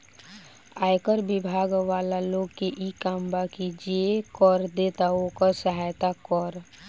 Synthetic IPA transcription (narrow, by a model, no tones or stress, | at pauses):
ajkəɾbibʱaɡʋaːlaloɡkeʔikambakid͡ʒekɔɾd̪et̪aokəsəɦajt̪akɔɾ